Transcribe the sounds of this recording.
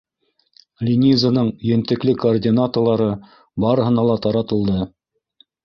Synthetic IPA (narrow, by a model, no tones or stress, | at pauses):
lʲinʲizənɤɴɵ̆jɘ̆nt̪ɘ̆klɘkoːrdʲinat̪ŏrlˠɑɾɤ | bɑɾɤ̆ɦɤ̆nɑlˠɑt̪ɑɾɑt̪ɤ̆lˠd̪ɤ